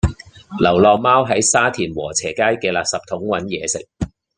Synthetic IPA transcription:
lɐ˨˩wlɔː˨˧k̚maː˥wɦɐ˨˥jsaː˥t̪ʰiː˨˩nwɔː˨˩t͡sʰɛː˨˩kaː˥jkɛː˧laː˨p̚sɐ˨p̚t̪ʰʊ˨˥ŋwɐ˨˥njɛː˨˧sɪ̰˨k̚

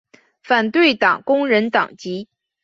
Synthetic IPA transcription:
fa˨˩nt̪we˥˩ɪt̪ɑ˨˩ŋkʊ˥ŋɻə˧˥nt̪ɑ̰˨˩ŋt͡ɕi˧˥

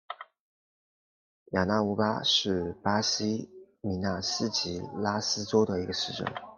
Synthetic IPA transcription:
ja˨˩na˥˩u˧˥pa̰˥ʂɻ̩˥˩pa˥ɕi˥ | mi˧˥na˥˩sɹ̩˥t͡ɕi˧˥la˥sɹ̩˥ʈ͡ʂo˥d̪ə˨i˧˥ɡə˧ʂɻ̩˥˩ʈ͡ʂə̰˥˩ŋ

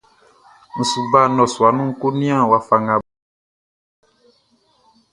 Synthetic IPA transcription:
ñ̩˨su˨ba˦˨nɔ̃˨su˨a˨nũ˦ŋ̩˦ko˦nĩ˦ã˦˨wa˦fa˨ŋã˨˦

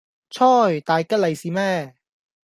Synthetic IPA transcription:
t͡sʰɔː˥˩jt̪aː˨˧jkɐ˥lɐ˨jsiː˨mɛː˥˩

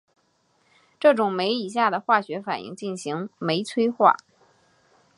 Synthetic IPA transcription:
ʈ͡ʂɤ˥˩ʈ͡ʂʊ˨˩ŋme˧˥ɪi˨˩ɕ̬ja˥˩d̪ə˩xwa˥˩ɕɥɛ˧˥fa˨˩nḭ˥˧ŋt͡ɕi˥˩nɕi˧˥ŋme˧˥ɪt͡sʰwe˥ɪxwa̰˥˩

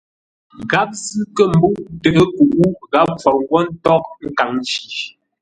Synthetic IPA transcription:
ɡa˨˦p̚zɨ˦kə˦˨m̩˦bu˦ʔtə˨ʔə˦ku˨ʔu˦ɣa˨˦p̚fɔ˨ɾ̚ŋ˦ɡwɔ˦n̩˦tɔ˦k̚ŋ̩˦ka˨ŋn˦ʃi˨

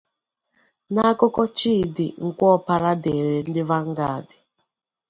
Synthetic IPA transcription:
na˦kɔ˦kɔ˦t͡ʃi˦dḭ˨ŋ̩˨kʷɔ˦pa˦ɾa˦de˨ɾe˨n̩˦dɪ˦va˦ŋ̩˦ɡa˦˨dɪ̥˨

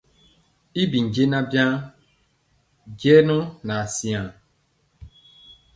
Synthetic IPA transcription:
i˦bi˨ɲ̩˨d͡ʒe˦nã˦bjã˦ | d͡ʒɛ˦nʊ˦na˨si˦ã˨

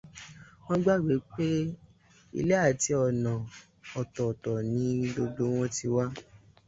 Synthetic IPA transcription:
w̃ɔ̃˦ɡ͡ba˦˨wi˨˦k͡pe˦ | ḭ˧le˦a˦˨ti˨˧˦ɔ˨nã˨ | ɔ˨tɔ˨tɔ˨nĩ˨˦do˧ɡ͡bo˧˦w̃ɔ̃˦ti˧wa˦

